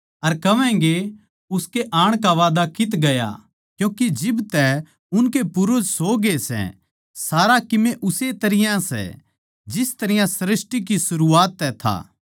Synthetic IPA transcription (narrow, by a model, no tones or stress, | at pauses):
ɐɾkɐʋɛ̃ɡe | ʊskeʔaːɽ̃k̬aʋaːd̪akɪt̪ɡɐja̰ | kjũːkid͡ʒɪbt̪ɛ | ʊnkepʊɾʊd͡ʒsoːɡesɛ̰ | saːɾakɪmeʔʊset̪ɐɾɪjãsɛ̰ | d͡ʒɪst̪ɐɾɪjãsɾɪsʈik̬isʊɾuaːt̪ːɛt̪ʰa̰ː